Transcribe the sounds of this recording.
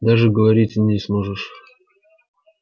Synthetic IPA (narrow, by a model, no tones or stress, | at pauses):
d̪aʐɨɡəvɐɾʲitʲnʲɪsmoʐɨʂ